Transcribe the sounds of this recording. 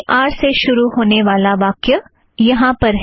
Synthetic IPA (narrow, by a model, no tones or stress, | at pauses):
ʔaːɾseʃʊɾuɦoːneʋaːlaʋaːkjə | jɐɦãpɐɾɦ